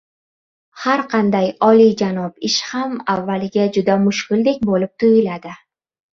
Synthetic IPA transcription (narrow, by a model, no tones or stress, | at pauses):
haɾqʰɑnd̪ajɒlid͡ʒanɒpɪʃhamavːalɪɡʲad͡ʒʊd̪amʊʃkʲɪld̪e̞k̚ʲbolɪp̚t̪ʰʊjɪlad̪ɪ